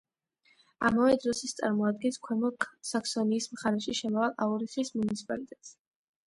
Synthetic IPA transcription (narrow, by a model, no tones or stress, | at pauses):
a̰mavɛd̪ɾɔsist̪sʼa̰ɾmɔad̪̚ɡɛnskʰwɛmɔksaksɔniːsmχaɾɛʃiʃɛmɔvalˠʔauɾiχismunit̪sʰi̥pʼalit̪ʼɛt̪ʼs